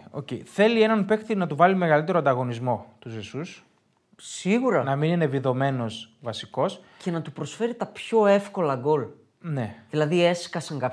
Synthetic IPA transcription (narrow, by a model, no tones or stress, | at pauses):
o̞̰ceiθe̞lie̞nɐnpe̞xθinɐt̪uvɐlime̞ɣɐlit̪e̞ɾoɐnd̪ɐɣo̞nizmo̞t̪uzesus | siɣuɾɐnɐminine̞viðo̞me̞no̞svɐsiko̞s | ce̞nɐt̪upɾo̞sfe̞ɾit̪ɐpço̞e̞fko̞lɐɡo̞l | ne̞ðilɐðie̞skɐsɐŋkɐp